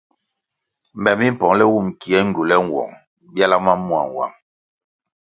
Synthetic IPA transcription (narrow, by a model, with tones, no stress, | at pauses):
m˨bɛ˨mi˦m̩˦˨pɔ˨ŋlɛ˦wu˦˨mki˨ɛ˦ŋ̩˦ɟu˨lɛ˦ŋ˨wɔ̰˨ŋ | bja˦la˦ma˦mu˦a̰˨ŋ˨wa̰˨m